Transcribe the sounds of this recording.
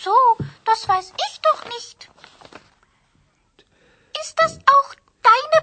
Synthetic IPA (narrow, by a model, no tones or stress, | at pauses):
z̥oːd̥asv̥aɪsʔɪçd̥ɔχnɪçt | ʔɪst̚d̥asʔaʊx | d̥aɪnə